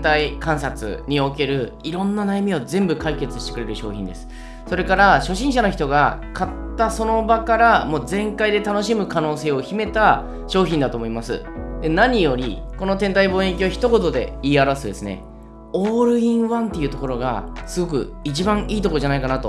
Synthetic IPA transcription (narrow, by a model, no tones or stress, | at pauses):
t̪aikãɰ̃sat͡sɨ̰ɲ̟io̞ke̞ɾɯ̟ | iɾõ̞nːanajamʲio̞zẽ̞mbɯ̟kaike̞t͡sɨ̥ɕi̥t̪ekɯ̟ɾe̞ɾɯ̟ɕo̞ːçʲĩnd̪e̞̰sɨ̥ | so̞ɾe̞kaɾaɕo̞ɕĩɰ̃ɕano̞çi̥t̪o̞ɡa | kat̪ːaso̞no̞bakaɾamo̞ːzẽ̞ŋkaid̪e̞t̪ano̞ɕimɯ̟kano̞ːse̞ːo̞çime̞t̪a | ɕo̞ːçʲĩnd̪at̪o̞ːmo̞imasɨ̰d̪e̞naɲ̟ijo̞ɾʲḭko̞no̞t̪ẽ̞nt̪aibõɰ̃ekʲiaçi̥t̪o̞ko̞t̪o̞d̪e̞̰iːaɾasɨd̪e̞̰sɨnḛ | oːɾɯ̟ĩɰ̃βãnt̪e̞iɯ̟ːt̪o̞ko̞ɾo̞ɡa̰sɨɡo̞k̬ɯ̟̰it͡ɕibãɰ̃iːt̪o̞kood͡ʑanaikanat̪o̞